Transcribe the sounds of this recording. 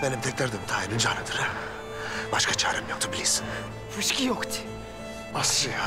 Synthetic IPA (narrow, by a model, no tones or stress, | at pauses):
bɛnimt̪ʰɛkʲlæɾd̪imt̪ʰaːjinind͡ʒaːnɯd̪ɯɾ̥ | baʃkʰat͡ʃʰaːɾɛmjok̚t̪ʰubilʲiɾsin | ɾyʃkʲijokt̪ʰi̥ | asʃi